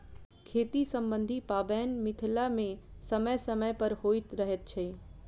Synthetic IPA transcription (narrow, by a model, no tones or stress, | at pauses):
kʰeːt̪isəmbə̃nd̪ʱipaːbɛːnmɪt̪ʰlamẽsəməjsəməjpəɾhoːɪt̪ɾəɦet̪̚t͡ʃʰɛ